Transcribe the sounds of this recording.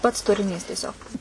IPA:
pɐts tʊrʲɪˈnʲiːs tʲiɛˈsʲoːk

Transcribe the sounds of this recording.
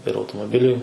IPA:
ɪr ɐʊtoːmoːˈbʲɪlʲʊɪ

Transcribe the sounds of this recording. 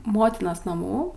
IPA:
ˈmoːtʲɪnoːs nɐˈmuː

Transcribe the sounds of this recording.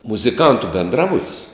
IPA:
mʊzʲɪˈkɐntʊ bʲɛnˈdrɑːbʊtʲsʲ

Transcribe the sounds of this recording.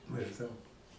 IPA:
mɐʒˈdɐʊk

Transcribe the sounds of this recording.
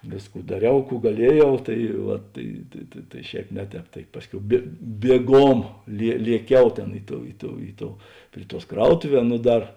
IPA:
ˈʋʲeːsˌkuː dɐˈrʲɛʊ ˈkuː ɡɐˈlʲiɛˌjɛʊ ˈtɐɪ ʋɐt tɐɪ tɐ tɐɪ ˈʃʲɛːp ˈnʲɛ ˌtʲɛːp tɐɪ ˈpɑːsʲˌkʲɛʊ bʲeː bʲiɛˈɡoːm lʲiɛ lʲiɛˈkʲɛʊ ˈtʲeːn ˈɪ ˌtoːʊ ˈɪ ˌtoːʊ ˈɪ ˌtoːʊ ˈpʲrʲɪ ˌtuɔs ˈkrɐʊtʊˌʋʲɛː ˈnʊ ˈdɐr

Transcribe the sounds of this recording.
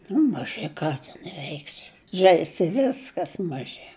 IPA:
nʊ mɐˈʒʲɪ ˈkɑː tʲɛn ˈʋʲɛɪksʲɪ ˈʒʲɛɪsʲɪ ɪ ˈʋʲɪskɐs mɐˈʒʲɪ

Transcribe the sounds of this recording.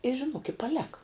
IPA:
ɪ ʒʲɪˈnuɔk ɪ pɐˈlʲæːkɐ

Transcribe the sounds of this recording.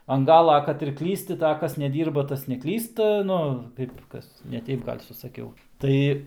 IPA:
ɐn ˈɡɑːlˠɐ ˈkɐt ɪr ˈklʲiːsʲtʲɪ tɐɪ ɐ ˈkɐs nʲɛˈdʲiːrbɐ ˈtɐs nʲɛˈklʲiːstɐ ˈnʊ ˈkɐɪp ˈkɐs nʲɛˈtʲɛɪp ˈɡɐlʲ sʊsɐˈkʲɛʊ ˈtɐɪ

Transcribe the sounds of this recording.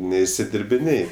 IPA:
nʲɛɪʃʲsʲɪdʲɪrʲbʲɪˈnʲeːj

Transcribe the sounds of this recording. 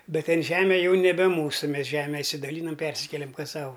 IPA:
ˈbʲɛt ˈtʲɛn ˈʒʲæːmʲɛ ˈjɛʊ nʲɛˈbʲɛ ˈmuːsʊ ˈmʲɛs ˈʒʲæːmʲɛ ɪʃʲsʲɪdɐˈlʲiːnɐm ˈpʲɛrʲsʲɪkʲɛlʲɛm ˈkɐs ˈsɐʊ

